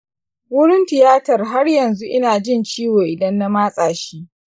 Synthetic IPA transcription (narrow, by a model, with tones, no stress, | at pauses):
wʊ˦ɽɪ˦ntɪ˨jaː˦tɐ˨rɦa˦rjɐ˨nzu˦ʔɪ˦naː˨d͡ʒɪ˦˨nt͡ʃiː˦weː˨ʔɪ˨dɐ˦nːa˦maː˦sʼaː˨ʃiː˦